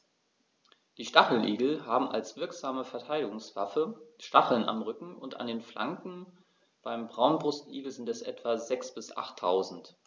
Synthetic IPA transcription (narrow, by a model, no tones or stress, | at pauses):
d̥iːʃtaχl̩nʔiːɡl̩ɦaːbm̩a̰lsv̥ɪɐkz̥aːməfɛɐtʰaɪdɪɡʊŋsv̥a̰fəʃtaχl̩na̰mʁʏkŋ̩ʊnta̰ndeːnfla̰ŋkŋ̩ | b̥aɪmbʁaʊnbʁʊstʔḭːɡl̩zɪntɛsʔɛ̰tv̥azɛksb̥ɪsʔa̰χtʰːaʊzn̩t